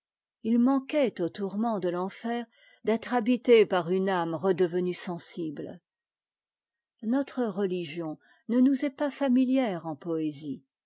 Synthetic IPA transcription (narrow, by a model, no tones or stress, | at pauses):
ilmɑ̃kɛt̪ot̪uʁmɑ̃d̪əlɑ̃fɛːʁ | d̪ɛt̪χabit̪epaʁynamʁəd̪əvənysɑ̃sibl | nɔt̪χəʁəliʒjɔ̃ | nənuzɛpafamiljɛʁɑ̃pɔezi